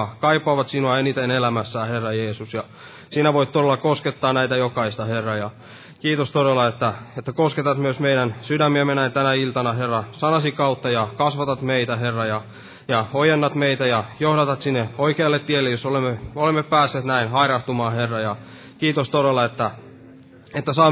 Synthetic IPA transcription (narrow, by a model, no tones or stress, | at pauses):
kɑipːɑʋɑt̪sinuɑenit̪enelæmæsːæːherːɑjeːsusjɑ | sinæʋoit̪t̪oɾelːˑɑkosket̪ːɑːnæit̪æjokɑist̪ɑherːɑjɑ | kiːt̪ost̪oɾelːˑɑet̪ːæet̪ːækosket̪ɑt̪myøsmeiɾænsydæmːiæmenæint̪ænæilt̪ɑnɑherːɑsɑnɑsikɑut̪ːɑjɑkɑsʋɑt̪ɑt̪meit̪æɦerːɑjɑ | jɑojenːɑt̪meit̪æjɑjohdɑt̪ɑt̪sinːeoikeɑlːet̪tːielːejosolemːeolemːeppæːsːeːt̪næinhɑirɑht̪umɑːherːɑjɑ | kiːt̪ost̪oɾelːˑɑet̪ːæ | et̪ːæsɑː